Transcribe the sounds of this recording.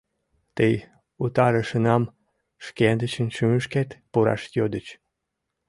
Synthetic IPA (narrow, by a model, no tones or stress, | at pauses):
t̪əj | ut̪ɑɾəʃənɑm | ʃkend̪ət͡ɕənʃyməʃket̪puɾɑ̰ʃjod̪ət͡ɕ